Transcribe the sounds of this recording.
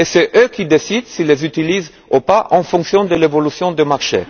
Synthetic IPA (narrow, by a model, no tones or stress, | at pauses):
esɛʔøkʲid̪esid̪silezyt̪iliz | opaʔɑ̃fɔ̃ksjɔ̃d̪əlevɔlysjɔ̃d̪əmaʁʃḛ